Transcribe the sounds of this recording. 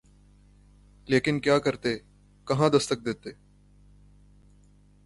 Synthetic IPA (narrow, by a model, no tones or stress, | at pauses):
leːkɪnkjaːkɐɾt̪e | kɐɦãd̪ɐst̪ək̚d̪eːt̪eː